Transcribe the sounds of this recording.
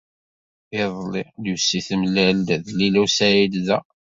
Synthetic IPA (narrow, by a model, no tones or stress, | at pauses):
ɪðˤliljusːiθmlæld̪ðlilæsæjilðæ